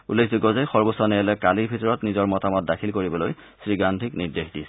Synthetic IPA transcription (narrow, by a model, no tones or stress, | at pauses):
ulːekʰziɡɔzajxɔɹbɔsɔnɛɛlɛkalibʱitɔɹɔtnizɔɹmɔtamɔt̚dakʰilkoɹibɔloj | sɹiɡantʰikniɹdexdi